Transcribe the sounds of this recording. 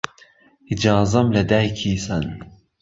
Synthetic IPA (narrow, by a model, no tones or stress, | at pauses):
id͡ʒaːzɐmlɐd̪ajkʰiːsɐn